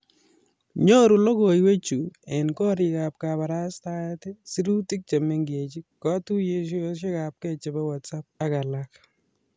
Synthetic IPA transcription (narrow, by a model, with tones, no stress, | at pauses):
ɲo˦ɾu˨lo˦ko˨jwe˦t͡ʃu˨ɛ˨nkɔ˦ɾi˨kap̚kapa˨ɾa˦staɛ˦tɛ˦si˦ɾu˦ti˦k̚t͡ʃe˨me˦ŋɡe˨t͡ʃi˦kːɔ˦tu˦je˦ʃ̬u˦o˦ʃ̬e˦ka˨p̚kɛ˦t͡ʃe˨bɛ˦wa˨tsa˦p̚a˦ka˨lak